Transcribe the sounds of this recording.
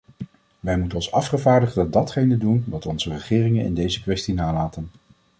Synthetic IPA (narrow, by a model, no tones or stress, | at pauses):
ʋɛjmutənɔnsɑfχəvaːɹdəχɑdɑtχejnədunʋɑtɔnzərəχɪːrɪŋənɪ̰ndejzəkʋɛstinaːlaːtən